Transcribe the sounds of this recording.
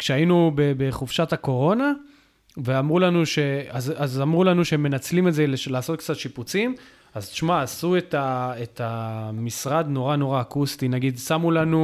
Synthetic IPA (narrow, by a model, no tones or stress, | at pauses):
kʃeainubebeχuvʃatako̞ʁo̞na | veamʁulanuʃe̞azazamʁulanuʃeemːe̞nat͡slimezeleʃlaːso̞t̪kt͡sat̪ʃiput͡sim | azt̪ʃmaːsue̞taetamisʁad̪no̞ʁano̞ʁaːkustinaɡidsamulanu